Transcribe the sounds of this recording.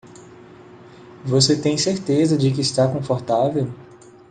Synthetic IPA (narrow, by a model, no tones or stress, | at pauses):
vos̬et̪ẽj̃seɾt̪ezɐd͡ʒɪk̬ɪːst̪akõfoɾt̪avew